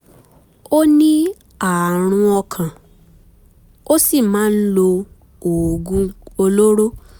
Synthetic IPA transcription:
o˦nĩ˦ | a˨ɾ̃ũ˧ɔ˧kʰã˨ | o˦si˦˨mãː˨˦n̩˦lo˧ | o˨ɡũ˦o˧lo˦ɾo˦

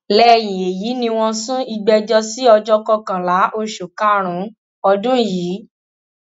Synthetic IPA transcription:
lɛ˦˨jĩ˨e˨ji˨˦nĩ˧w̃ɔ̃˧sũ˦i˧ɡ͡bɛ˧d͡ʒɔ˧si˦ɔ˧d͡ʒɔ˧kɔ˧kã˨la˨˦ʔo˧ʃu˨ka˦ɾ̃ũ˨˦ | ɔ˧dũ˦jiː˨˦

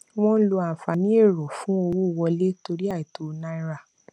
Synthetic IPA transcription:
w̃ɔ̃˦lo˧a˨fa˨nĩ˦e˦˨ɾɔ˨fũ˦o˧wo˦˨wɔ˧le˦to˧ɾi˦a˦˨i˨to˨˧nã˦ĩ˦ɾa˦˨

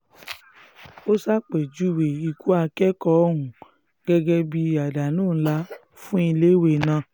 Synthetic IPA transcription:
o˦sa˦k͡pɛ˨d͡ʒu˨˦we˨i˧˨ku˦a˧kɛ˦kɔ˦ɦũ˨ | ɡ̥ɛ˦ɡɛ˦bi˧˦a˨da˨nũː˦˨˦la˦ | fũ˦i˧le˦we˨nã˧

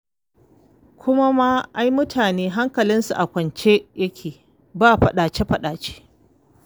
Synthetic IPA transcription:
kʷʊ˦ma˦ma˦ʔa˦jmʊ˦tʰaː˨neː˦ɦa˦ŋkɐ˨lɪ˦nsṵ˨ʔa˨kʷɐ˨nt͡ʃe˦jɐ˦kʲʰeː˨ | baː˦˨ɸɐ˨ɗaː˨t͡ʃe˦ɸɐ˨ɗaː˨t͡ʃe̥ː˦

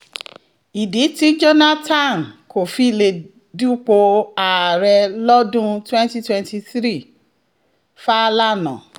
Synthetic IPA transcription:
i˨di˨˦ti˦d͡ʒo˦na˦tã˦˨nko˨fi˨˦˨le˧ | du˦k͡po˧a˨ɾɛ˧lɔ˦dũ˦twɛ̃˦nti˦twɛ̃˦nti˧θɾi˦˨ | fa˦˧˦la˦nã̰˨

